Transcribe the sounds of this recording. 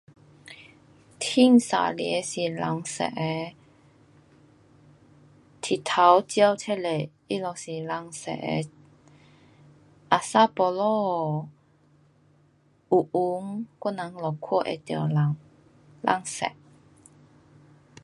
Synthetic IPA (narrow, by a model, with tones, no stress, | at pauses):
t̪ʰi˥˨ŋsa̰˨lḭ˨e˧si˨la˨ŋsɛ̰˧˨ʔe˧ | t̪ʰi˨t̪ʰa˨˦wt͡ɕja˥˧wt͡sʰɛ˥le˨ | i˦˥lɔ˨˩si˨la˧˦ŋsɛ̰˧˨ʔḛ˧ | ʔa˨sa˦pɔ˧lɔ˥˧˨ | u˨ʔu˨˦ŋkɔ˥˨na˨˦ŋlɔ˨kʰɔ˥˨ʔḛ˧˨t̪a̰˧˨la˨˦ŋ | la̰˧˨ŋsɛ̰˨ʔ